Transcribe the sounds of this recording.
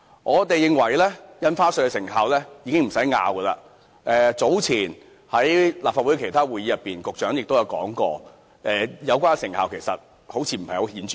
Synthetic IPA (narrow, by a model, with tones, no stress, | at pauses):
ŋʔɔː˨˧t̪e˨jɪ˨ŋwɐ˨˩jlɛː˥jɐ˥nfaː˥sɵ˧kɛ˧sɪ˨˩ŋɦaː˨wlɛː˥jiː˨˧kɪ˥ŋm̩˨˩sɐ˨˥jŋa̰ː˨˧wɡə˧la̰ː˧ | ʔɛː˨t͡so˨˥wt͡sʰiː˨˩n | hɐ˨˥jlaː˨pfaː˧wu˨˥jkʰe˨˩jt̪ʰaː˥wuː˨ji˨˧jɐ˨pːiː˨nkʊ˨k̚t͡ʃœː˨˥ŋjɪ˨k̚t̪o˥jɐ˧wkɔ̰ː˨˥ŋkɔː˧ | ʔɛː˨jɐ˨˧wkʷaː˥nsɪ˨˩ŋhaː˨wkʰe˨˩jsɐ˨t̚ | ho˨˥wt͡sʰiː˧m̩˨˩pʰjo˧hiː˨˥nt͡ʃyː˨